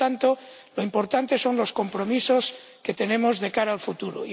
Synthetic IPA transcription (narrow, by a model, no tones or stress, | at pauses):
ant̪o | loimpo̞ɾt̪ant̪e̞so̞nlo̞sko̞mpɾo̞miso̞s | ke̞t̪e̞nẽ̞mozðekaɾaːlfut̪uɾo̰i